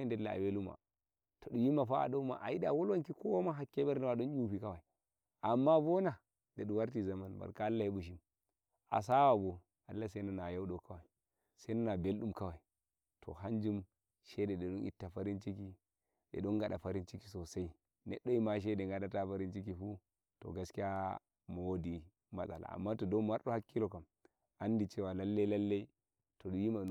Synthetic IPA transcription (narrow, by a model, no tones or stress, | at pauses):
ndelːaa̰weluma̰ | toɗujimafaa̰ɗoma̰ʔa̰iɗawolwaŋkikowamaɦakːebeɾnamaɗonjupikawai | ʔamːabona | daɗuwaɾtizamanba̰ɾkaalːahebuʃ̬im | a̰s̬awabo | alːasenanajawɗokawai | sananabelɗumkawai | tʰo̰ɦand͡ʒum | ʃededeɗonḭtːafaɾint͡ʃiki | ḛɗoŋɡaɗafaɾint͡ʃiki̥sosai | nḛɗːoimaʃ̬edeŋɡadatafaɾint͡ʃikifu | to̰ɡaskija | mowodi | masa̰la̰mːatodomaɾɗohakːilokam | andit͡ʃewalalːeilalːei | todjima